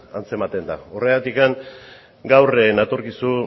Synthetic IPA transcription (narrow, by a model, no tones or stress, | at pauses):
ant͡se̞mat̪e̞nd̪a̰ore̞at̪ikaŋ | ɡawrenat̪oɾkisu